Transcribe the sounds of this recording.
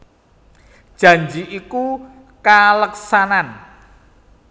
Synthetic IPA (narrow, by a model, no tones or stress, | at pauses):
d̥ʒ̥ä̤ɲd͡ʒiʔiku | kaləksanan